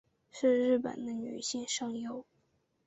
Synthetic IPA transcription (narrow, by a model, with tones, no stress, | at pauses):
ʂɻ̩˥˧ɻɻ̩˥˩pə̰˨˩nd̪ə˦ny̰˨˩ɕi˥˧ŋʂɑ˥˧ŋjo˥˩ʊ